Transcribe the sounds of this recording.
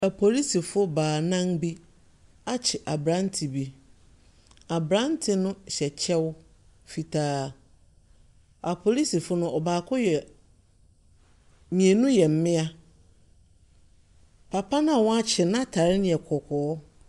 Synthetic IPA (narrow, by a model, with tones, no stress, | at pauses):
æ˨pʰo˨li˦si˨fʊ˦baː˨nã˦ŋbi˦ | a˦t͡ɕʰɪ˨ʔa˨bɾã˦n˦tʰi˨bi˦ | a˨bɾã˦n˦tʰɪ˨nʊ̃˦ɕɛ˨t͡ɕʰɛ˦w | fi˨tʰaː˨ | a˨pʰo˨li˦si˨fʊ˦nʊ̃˦ɔ˨baː˨kʰʊ˦jɛ˨ | mĩ˨e˨nũ˦jɛ˨m̩˨mɪ̃˦a˦ | pʰa˨pʰa˦nã˦a˨wɔ̃˦a˦t͡ɕʰɪ˨nã˦tʰa˨ɾɪ˦nɪ̃˨ɛ˨kʰɔ˨kʰɔː˨˦